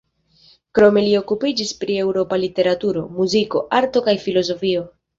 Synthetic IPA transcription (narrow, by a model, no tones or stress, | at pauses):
kɾo̞me̞lio̞kupid͡ʒispɾie̞wɾo̞palite̞ɾatuɾo̞̰muziko̞̰ʔaɾto̞kajfilo̞zo̞fio̞